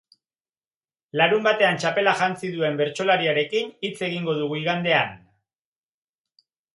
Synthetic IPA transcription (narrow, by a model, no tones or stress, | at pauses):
laɾumbat̪e̞ant͡ʃape̞laʝant͡siðue̞mbe̞ɾt͡ʃo̞laɾiaɾe̞kinit͡se̞ɣiŋɡo̞ð̞uɣuiɣand̪e̞an